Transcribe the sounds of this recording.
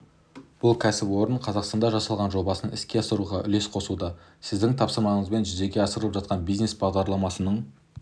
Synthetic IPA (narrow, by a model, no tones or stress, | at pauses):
b̥ʊlˠkʲʰæsɪpwo̞ɾəɴqʰɑzɑqst̪ɑnd̪ɑʒɑsɑlˠʁɑnʒo̞bɑsənɪskʲe̞ɑsəɾuʁɑʔʏ̰le̞sqʰo̞sud̪ɑ | sɪzd̪ɪŋt̪ʰɑpsəɾmɑɴəzbe̞nʒʏze̞ɡʲe̞ɑsəɾələpʒɑt̪qɑnbijzne̞sbɑʁd̪ɑɾlˠɑmɑsənəɴ